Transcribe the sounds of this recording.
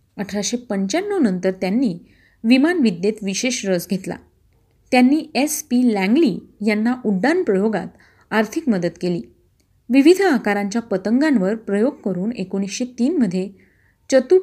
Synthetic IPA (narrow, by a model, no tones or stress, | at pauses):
əʈʰɾaɕepəɲt͡ɕanːənənt̪əɾt̪janːiː | ʋimanʋid̪ːjet̪ʋiɕeɕɾəd͡zɡʱet̪la̰ | t̪janːiːespilæ̃ŋɡliːjanːaʔuɖːanpɾəjoɡa̰t̪ | aɾt̪ʰikməd̪ət̪keliː | ʋiʋid̪ʱakaɾaɲt͡ɕjapət̪əŋɡãnʋəɾpɾəjoɡ̚kəɾuːnekoɽ̃isɕet̪iːnməd̪ʱːje | t͡ɕət̪u